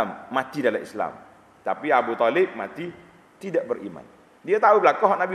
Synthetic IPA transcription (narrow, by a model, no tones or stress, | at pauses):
mːat̪idalaḭsla̰m | t̪apiabut̪ɔlɪb̚mat̪i | t̪idaʔbərḭma̰n | diat̪aubəlakaɦɔʔnabi